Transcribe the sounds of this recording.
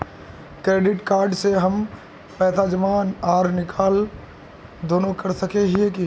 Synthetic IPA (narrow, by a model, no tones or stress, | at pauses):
kɾeːɖɪʈkaːɾɖseɦɐm | pɛːt̪ad͡ʒɐmaːnaːɾnɪkʰaːl | d̪oːnõkɐɾsɐkeɦieki